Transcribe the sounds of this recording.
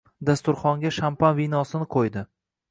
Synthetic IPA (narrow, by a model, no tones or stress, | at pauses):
d̪ast̪ʊɾχɒŋɡʲaʃampanvinɒsɪnɪqʰojd̪ɪ